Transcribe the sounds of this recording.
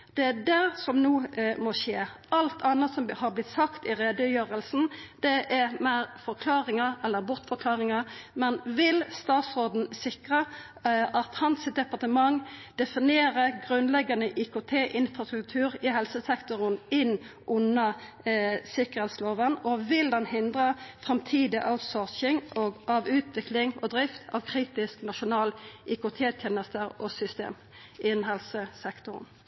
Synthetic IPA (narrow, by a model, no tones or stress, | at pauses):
d̪̥ɛæd̪æɾsɔmnuːmɔʃeːʔɑlt̪ʰɑnːɑt̪sɔmhɑʁblɪt̪ːsɑkt̪ɪɾeːd̪əjøːʁəlsn̩d̪̥ɛʔɛɾmæɾfɔɾkʰlɑːɾɪŋəɛlːəɾbʊʁt̪fɔɾkʰlɑːʁɪŋɑmɛnʋɪlst̪ɑːt̪sod̪n̩sɪkʁə | ʔɑt̪hɑnsɪt̪d̪ɛpɑʁt̪əmɑŋd̪̥ɛfɪneːɾəɡʁʉnlɛɡɑnəʔikʊt̪ʰeːʔɪnfʁɑst̪ʁʉk̚t̪ʰʉːʁɪɦɛlsəsɛkt̪ʊʁənɪnʔʊnə | sɪkəʁhɛt̪sloːʋənɔʋɪld̪ɛnhɪnd̪ʁəfʁɑmt̪ʰiːd̪ɪʔaʉt̪sɔʁʃɪŋɔʔɑʋʉːt̪ʰʋɪklɪŋɔd̪ɾɪft̪ʰɑ̰ʋkʰʁiːt̪ɪsknɑʃʊnɑːlʔikʊt̪ʰeːt̪ʰjeːnəst̪əʁɔsʏst̪ḛːm | ʔɪnɦɛlsəsɛkt̪ʊʁn